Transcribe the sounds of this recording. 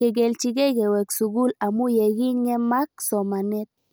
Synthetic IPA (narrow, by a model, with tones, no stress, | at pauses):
e˨ɡe˨lt͡ʃi˦ɡɛ˦kɛ˨wɛ˨ksu˨ɡu˦la˨mu˦jɛ˨ɣi˦ɲɛ˦ma˦k̚sɔ˨ma˨nɛ˦t̪̚